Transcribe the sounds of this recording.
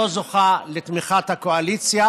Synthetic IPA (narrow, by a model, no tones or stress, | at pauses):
ozoχalet̪miχat̪hakoalit͡sja